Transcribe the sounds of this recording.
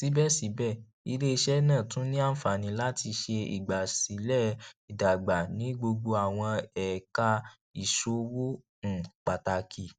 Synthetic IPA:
si˨˦bɛ˦˨si˨˦bɛ˦˨ | i˧le˦i˧ʃɛ˦nãː˦˨tũ˨˦nĩ˦a˦n̩˦fa˨nĩ˧˦la˦ti˧ʃe˧ḭ˨ɡ͡ba˨si˨˦lɛ˦˨i˨da˨ɡ͡ba˨nĩ˨˦ɡ͡bo˧ɡ͡bo˧a˨w̃ɔ̃˧ɛ˨ka˧ | i˨ʃo˨˦wo˦ | n̩˦˨k͡pa˨ta˨˧kʰi˨

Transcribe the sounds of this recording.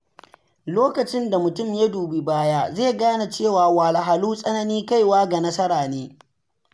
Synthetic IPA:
loː˦kɐ˨t͡ʃɪ˦nda˨mʊ˨tʊ˦˨mja˦duː˨bi˨baː˦jaː˦zeː˦˨ɡaː˦na˨t͡ʃeː˦˨waː˨waː˨la˨ɦa˨luː˦sʼɐ˦nɐ˦niː˦ka˦˨jwaː˦ɡa˨nɐ˦sɐ˦ɾaː˨neː˦

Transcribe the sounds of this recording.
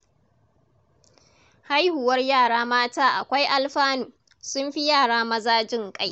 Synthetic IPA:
ha˦jhʊ˨wɐ˦rjaː˦˨ɽaː˦maː˦taː˦ʔa̰˨kʷa˦jʔa˦lɸaː˦nuː˨ | sʊ˦mɸi˦jaː˦˨ɽaː˦mɐ˦zaː˦d͡ʒɪ˦˨ŋkʼa˦j

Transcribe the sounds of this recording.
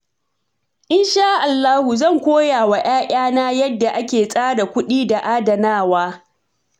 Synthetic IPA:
ʔɪ˦nʃa˦ʔa˨lːaː˦hu˨zɐ˦˨ŋkʷoː˦jaː˨wa˨ʔaː˦ʔʲʼaː˦naː˦jɐ˦dːa˨ʔa˦kʲeː˨sʼaː˦da˨kʷʊ˦ɗiː˦da˨ʔaː˦dɐ˨naː˦˨waː˦

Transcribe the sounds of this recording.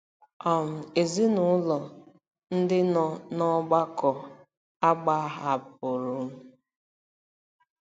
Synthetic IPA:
ɔ˨m̩˨e˨zi˦nʊ˨˦lɔ˨ | n̩˦dɪ˦nɔ˨nɔ˦ɡ͡ba˦kɔ˨ | a˦ɡ͡ba˦ɦa˨p̚ʊ˨ɾʊ˨m̩˦

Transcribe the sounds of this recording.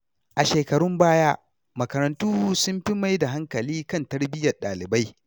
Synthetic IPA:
ʔa˨ʃeː˨kɐ˨ɽʊ˦mbaː˦jaː˦ | mɐ˨kɐ˨ɾɐ˨ntuː˦sʊ˦mɸɪ˦ma˦jda˨ɦa˦ŋkɐ˨liː˦kɐ˦˨ntɐ˦rbɪ˦jɐ˨rɗa̰ː˨lɪ˨ba˦j

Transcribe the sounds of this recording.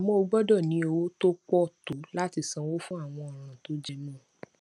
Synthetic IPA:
a˨mɔ̃˦o˨˧ɡ͡bɔ˦dɔ˦˨nĩ˨˦o˧wo˦to˦k͡pɔ˦˨to˨˦la˦ti˧sã˧wo˦fũ˦a˦˨w̃ɔ̃˧ɔ˨ɾ̃ã˨to˨˦d͡ʒe˧nɔ̃ː˦˨

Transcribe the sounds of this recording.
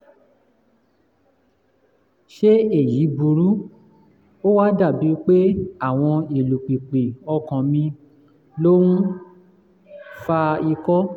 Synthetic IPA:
ʃe˦e˦˨ji˨˦bu˧ɾu˨˦ | o˦wa˦da˦˨bi˨˦k͡pe˦a˦˨w̃ɔ̃˧e˨lu˨k͡pi˨k͡pe˨ɔ˧kã˨mĩ˧ | lo˦wũ˦ | fa˧i˧kɔ˦

